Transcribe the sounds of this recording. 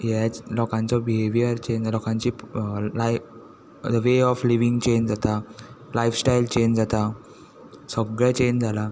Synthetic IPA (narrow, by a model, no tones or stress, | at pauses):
jɛt͡slɔkãnt͡sɔbiɦeʋijəɾt͡ɕenlɔkãɲt͡ɕiːlaj | d̪əʋeɔfliʋĩŋɡt͡ɕend͡zat̪alajfsʈajlt͡ɕend͡zat̪a | səɡɭɛ̃t͡ɕend͡zʱala